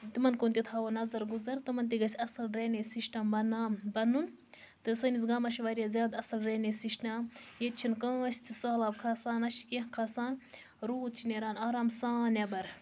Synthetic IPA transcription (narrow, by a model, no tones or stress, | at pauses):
t̪imɐnkoːnt̪it̪ʰaːʋonɐzɐɾɡuzɐɾt̪ɨmɐnt̪̬iɡɐsʲɐsɐlɾeːnesiʃʈɐmbɐnaːmbɐnun | t̪ɨsɐnis̬ɡɐmɐʃiʋɐɾʲjaːzʲjaːd̪ɐsɐlɾeːnesiʃʈaːmjet̪t͡ʃʰinkɐ̃sʲt̪ʰisaːlaːbkʰasaːnɐʃi̥keɦkʰasaːn | ɾuːt̪̚t͡ʃʰineːɾaːnaːɾaːmsaːnebɐɾ